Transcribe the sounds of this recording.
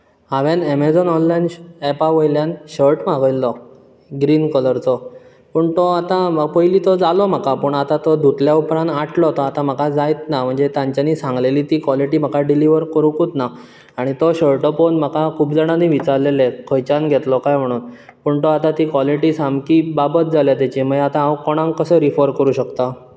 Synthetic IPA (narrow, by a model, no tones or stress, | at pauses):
ɦaʋjanemed͡zɔnɔnlajnepaʋəjljanɕəɾʈm̤aɡəjlːɔ | ɡɾiːnkələɾt͡sɔ | pəɳt̪ɔat̪aməpəjliːt̪ɔd͡zalɔm̤əkapəɳat̪at̪ɔd̪ʱuʈljaupɾãnaʈʰlɔt̪ɔat̪am̤əkad͡zajt̪nam̤əɳd͡zet̪jãɲt͡ɕjaniːsãŋɡleliːt̪iːkʋɔliʈiːm̤əkaɖiliʋəɾkəɾukut̪na | aɽ̃it̪ɔɕəɭʈəponm̤əkakʰuːbd͡zəɽ̃aniːʋit͡saɾlelekʰəjt͡ɕanɡʱet̪lɔkajm̤əɽ̃uːn | pəɳt̪ɔat̪at̪iːkʋɔliʈiːsamkiːbabət̪̚d͡zaljat̪jat͡ɕiməat̪ãːʋkɔɽ̃ãŋkəsəɾifəɾkəɾuːɕəkt̪a